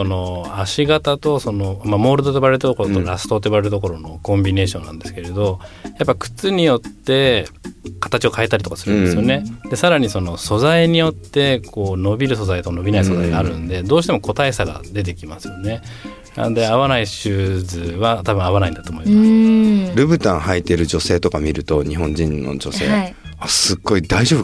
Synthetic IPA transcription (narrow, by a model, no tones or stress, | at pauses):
so̞no̞aɕiɡat̪at̪o̞so̞no̞mamo̞ːɾɯ̟d̪ot̪oiβaɾet̪at̪okoɾot̪oɾasɨ̥t̪o̞t̪oiβaɾeɾɯt̪oko̞ɾo̞no̞kõ̞mbʲine̞ːɕõ̞nːã̰nd̪e̞sɨ̥keɾe̞d̪o̞japːaikɯ̟̥t͡sɨɲ̟ijo̞t̪ːe̞ | kḁt̪at͡ɕio̞kaet̪aɾʲit̪o̞kasɨɾɯ̟̃nd̪esɨjo̞ne̞d̪e̞saɾaɲ̟iso̞no̞so̞zaiɲ̟ijo̞t̪ːe̞kʰo̞ːno̞bʲiɾɯ̟so̞zait̪oano̞bʲinaiso̞zaiɡaːɾɯ̟nod̪e̞d̪o̞ːɕi̥t̪e̞mo̞ko̞t̪ae̞saɡa̰d̪e̞t̪̬e̞kʲimasɨ̥jo̞ne̞ | na̰nod̪e̞aβanaiɕɨːzɨβat̪abɯ̟̃aβanaĩnd̪at̪oːmo̞imasɾɯ̟bɯ̟t̪ãɰ̃hait̪e̞ɾɯ̟d͡ʑo̞se̞ːt̪o̞kamʲiɾɯ̟t̪o̞ɲiɦõ̞ɲd͡ʑĩnːo̞̰d͡ʑo̞̰se̞̰ːai | asɨɡːo̞id̪aiʑo̞ːbɯ